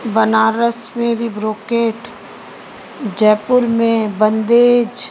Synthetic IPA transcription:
bənaːɾəsmẽbʱibɾoːkeːʈ | d͡ʒɛːpʊɾmẽbə̃nd̪eːd͡ʒ

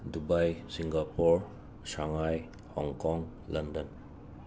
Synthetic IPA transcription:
dubajsiŋɡapɔɾ | saŋaj | hɔŋkɔŋ | landɔn

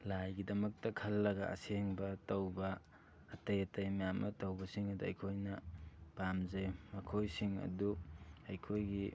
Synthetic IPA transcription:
lajɡidɐmɐk̚tɐkʰɐlːɐɡɐɐ̰seŋbɐtɐwbɐː | tɐjɐtɐjmajamɐtɐwbɐsiŋɐduɐjkʰojnɐpamzejmɐkʰojsiŋɐ̰duɐjkʰojɡi

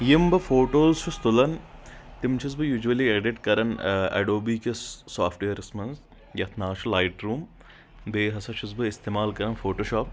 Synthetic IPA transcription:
jimbɐfoːʈoːzʃʰust̪ulɐnt̪imt͡ʃʰuzbɨjuːd͡ʒuʋɐlieɖiʈkɐɾɐnɐ̰ɖoːbiːkesaːfʈʋejɐɾismɐns | jɐt̪ʰnaːʃʰulaːjʈɾuːm | b̪eːɦɐsɐt͡ʃʰuzbɨist̪eːmaːlkɐɾɐnfoːʈoːʃɔːp̚

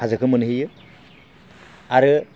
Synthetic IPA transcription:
azɯkʰɯmɯnɦijɯ | aɾɯ

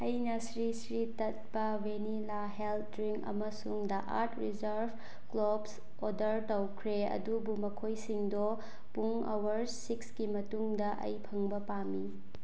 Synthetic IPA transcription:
ɐjnɐsɾisɾitɐt̚bɐwenilaɦelt̚ɾiŋɐ̰mɐsuŋdɐʔa̰ɾtʰɾid͡ʒɐɾbʱ | klobs | odɐɾtɐwkʰɾeɐ̰dubumɐkʰojsiŋdo | puŋ | ɐ̰wɐɾ | sikskimɐtuŋdɐʔɐ̰jpʰɐŋbɐpami

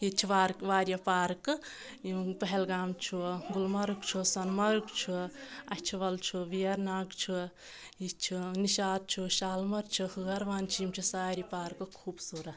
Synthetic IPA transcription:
it͡ʃʰuʋaːɾkʋaːɾjɐpaːɾkɨ | ipɐɦelɡaːmt͡ʃʰuɡulmɐɾukt͡ʃʰusɐnmɐɾukt͡ʃʰuɐt͡ʃʰiʋɐlt͡ʃʰuʋijɐɾnaːɡt͡ʃʰu | it͡ʃʰuniʃaːd̪̚t͡ʃʰuʃaːlmɐɾt͡ʃʰuhuɡɐɾʋaːnt͡ʃʰimt͡ʃʰusaːɾipaːɾkɨkʰuːbsuɾɐ

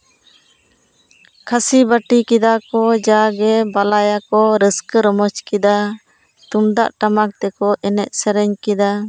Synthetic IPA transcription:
kʰasibaʈikid̪akɔd͡ʒaɡɛbalajakɔɾəskəɾɔmɔt͡ʃkid̪a | t̪umd̪a̰ʔʈamak̚t̪ɛkɔʔɛnɛʔ̪̚sɛɾɛɲkid̪a

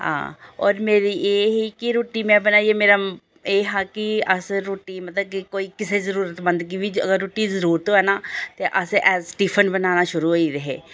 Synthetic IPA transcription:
ɦã̰ːɔ̰ːɾmeːɾiʔeːɦikiɾoːʈimɛ̃ːbənaːiemeːɾa | eːɦãːkiəsɾoːʈimət̪ləb̚kikoːiːkɪsezəɾuːɾət̪bə̃nd̪kibiə̰ɡəɾːoːʈizəɾuːɾət̪ɦoɦɛːnaːt̪eʔəseʔɛːzsʈiːpʰənbənaːnaʃʊɾuɦoiɾəɦḛː

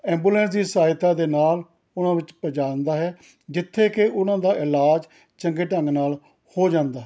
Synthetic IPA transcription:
ɛ̃ːmbuːlɛ̃ːns̬d̪iːsaːɦɪt̪aːd̪eːnaːl | ʊnãːʋɪt͡ʃpəd͡ʒaːnd̪aːɦɛː | d͡ʒɪt̪ʰːeːkeʔʊnãːd̪aːʔɪlaːd͡ʒ | t͡ʃəŋɡeːʈəŋɡnaːl | hoːd͡ʒãːnd̪aːɦ

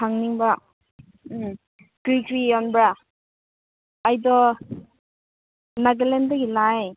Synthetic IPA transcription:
tʰaŋniŋba | kɾikʰɾiɔnbɾa | ajdɔ | naɡelendaɡilaj

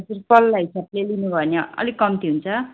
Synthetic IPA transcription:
surpʌlːaɦisablelinubʱʌneʌ̰likːʌmt̪iɦunt͡sʰʌ

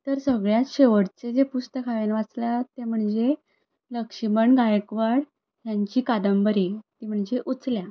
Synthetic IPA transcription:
t̪əɾsəɡɭjaɕeʋəɽt͡sed͡zepust̪əkʰaʋenʋat͡slat̪em̤əɳd͡ze | ləkʂiməɳɡajəkʋaɽ | jaɲt͡ɕiːkad̪əmbəɾit̪iːm̤əɳd͡ʑeʔut͡slja

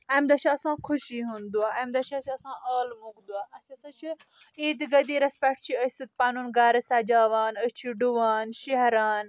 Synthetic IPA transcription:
ɐmd̪ɐt͡ʃʰiɐsãːkʰʊʃiːɦund̪uaːɐmd̪ɐt͡ʃʰɐsiɐsãːʔaːlmuɡd̪uaːɐsiɐsãːt͡ʃʰi | eːd̪iɡɐd̪iːɾɐspɐʈt͡ʃʰiəsɨt̪̚paːnunɡaːɾɐsaːd͡ʒaːʋaːnət͡ʃʰiɖuʋaːnʃeɦɾaːn

